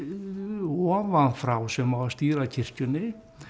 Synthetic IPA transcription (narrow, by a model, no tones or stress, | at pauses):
ɔːvanfɾawsɛmavast̪iːɾacʰɪr̥cʏnɪ